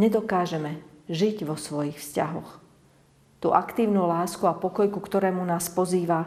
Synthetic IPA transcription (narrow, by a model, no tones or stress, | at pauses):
ɲɛd̪ɔkaːʒɛmɛʒiɟʋɔsʋɔjixfsca̰ɦɔ̰x | t̪ṵːʔakt̪iːʊnulaːskuapɔkɔjkukt̪ɔɾɛːmunaːspɔziːʋa